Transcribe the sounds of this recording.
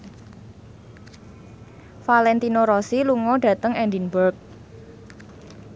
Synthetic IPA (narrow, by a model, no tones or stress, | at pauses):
falɛnt̪inoɾɔsiluŋɔɖ̥ä̤t̪əŋɛnd̪inbərk̚